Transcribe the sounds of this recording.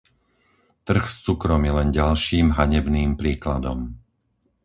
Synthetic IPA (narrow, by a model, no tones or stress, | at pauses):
t̪r̩xst͡sukɾɔmjɛlɛnɟalʃiːmɦaɲɛbniːmpɾiːklad̪ɔm